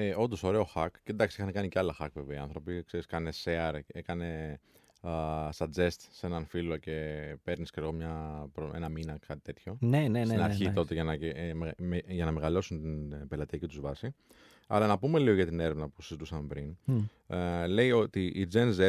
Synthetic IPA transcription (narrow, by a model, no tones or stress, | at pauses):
eo̞nd̪o̞so̞ɾe̞o̞xɐkcend̪ɐksiixɐnekɐniceɐlɐxɐkve̞veiɐnθɾo̞pikse̞ɾiskɐne̞seɐɾekɐne̞ | sɐd͡ze̞st̪se̞nɐnfilo̞ce̞pe̞ɾniskeɣo̞mɲɐpɾoḛnɐminɐkːɐt̪i̥t̪e̞t̪ço̞nenesinɐɾçit̪o̞t̪eʝɐnɐemeʝɐnɐme̞ɣɐlo̞sunt̪inpe̞lɐt̪iɐcit̪uzvɐsi | ɐ̰lɐnɐpume̞lio̞ʝɐt̪ine̞ɾe̞vnɐpu̥sizit̪usɐmpɾin | le̞jo̞t̪iʔid͡ze̞nze